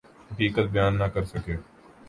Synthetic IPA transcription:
ɦɐkiːkət̪̚bɪjaːnːɐkɐɾsɐkeː

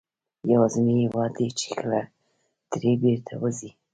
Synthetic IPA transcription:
jawazənihwɑd̪et͡ʃe̥kʰəla | d̪̥ɾebeɾt̪ʰawəzi

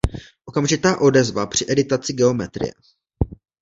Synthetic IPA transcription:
ʔo̞kamʒɪt̪aːʔo̞dɛzvapr̥ɪʔɛdɪt̪at͡sɪɡɛo̞mɛt̪ɾɪ̰jɛ̰

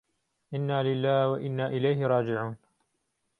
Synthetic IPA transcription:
ʔɪnːaːlɪlːaːhwaʔɪnːaːʔɪlajhɪɾˤɑːd͡ʒɪʕuːn

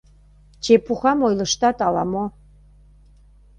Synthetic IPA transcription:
t͡ɕepuxɑmojlɤ̆ʃt̪ɑt̪ɑlɑmo

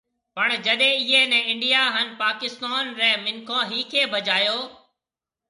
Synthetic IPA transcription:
pəɳ̃d͡ʒəɗẽːɪɦeːnɛ̃ːɪɳɖijaːɦənpaːkɪst̪aːnɾɛːmɪnkʰõːɦiːkʰeːbʱəd͡ʒaːjoː

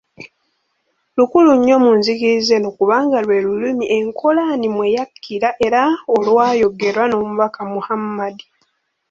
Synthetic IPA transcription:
lukuluɲːo̞munzikize̞nokuβaːŋɡalwe̞ːlulimiʔe̞ŋkʰo̞lanimwe̞jakʰːiɾaʔe̞ɾaolwaːjo̞ɡe̞ɾwano̞ːmuβakamuhamːadi

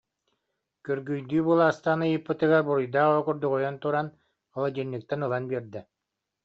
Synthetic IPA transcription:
kyɾɡyjd̪yːbɯlˠaːst̪aːnɯjɯpːɯt̪ɯɡaɾbuɾujd̪aːɔkuɾd̪uɡɔjɔnt̪uɾan | ɔlˠad̪iɾnːik̚t̪ɛnɯlˠanbiɾd̪ɛ

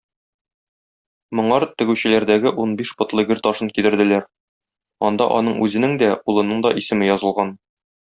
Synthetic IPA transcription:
mŏɴɑɾt̪ɘ̆ɡʉɕɘ̆læɾd̪æɡɘʔunbiʃbɤ̆t̪lˠɤɡɘɾt̪ɒʃɤnkid̪ɘ̆ɾd̪ɘ̆læɾ | ɒnd̪ɑ̰ʔɒ̰nɤɴʉzɘ̆nɘŋd̪æulˠɤ̆nɤɴd̪ɒʔisɘ̆mɘjɒzɤ̆lˠʁɑn

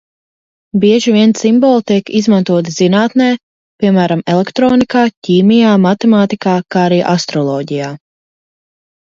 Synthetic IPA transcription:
biɛʒiviɛnsimbɔːlˠt̪iɛkizmant̪uɔt̪z̥inaːt̪nɛː | piɛmæːɾamɛlˠɛkt̪ɾɔːnikaːciːmijaːmat̪ɛmaːt̪ikaːkaːaɾiːʔast̪ɾɔlˠɔːɟijaː

